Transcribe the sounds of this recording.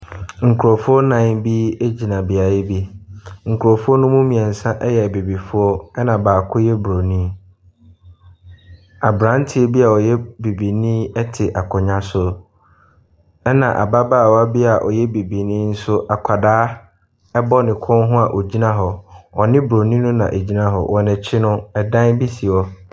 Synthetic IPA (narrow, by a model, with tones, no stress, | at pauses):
ŋ̩˨kʰu˨ɾɔ˨fʊ˦ɔ˦nã˨˦bi˦e˦d͡ʑi˨nã˨bi˨a˨ɪ˦bi˦ŋ̩˨kʰu˨ɾɔ˨fʊ˦ɔ˦nʊ̃˦mũ˦mĩ˨ɛ̃˨n̩˨sã˦ʔɛ˦jɛ˨bi˨bi˨fʊ˦ɔ˦ɛ˦nã˨baː˨kʰʊ˦jɛ˦bɾo˨nĩ˦ | a˨bɾã˨˦n˦tʰɪ˦ɛ˦bi˦a˨ɔ˨jɛ˦bi˨bi˨nĩ˦ɛ˦tʰɪ˨ʔa˨kʰɔ˨ɲã˦sʊ˦ | ɛ˦nã˨ʔa̰˨ba˦baː˦˨wɔ˨˦a˦bi˦a˨ʔɔ̰˨jɛ˦bi˨bi˨nĩː˦n̩˦sʊ˦ʔa˨kʷʰa˨daː˦ | ɛ˦bɔ˦nɪ̃˨kʰɔ̃˦nɦʊ̃˦a˨ʔo˨d͡ʑi˦nã˦ɦɔ˨ɔ˨nɪ̃˦bɾo˨nĩ˦nʊ̃˦nã̰˨ʔe˨d͡ʑi˦nã˦ɦɔ̰˨wɔ˨nɛ̃˨t͡ɕʰɪ˦nʊ̃˦ɛ˨dã˦nbi˦si˨ɔ˦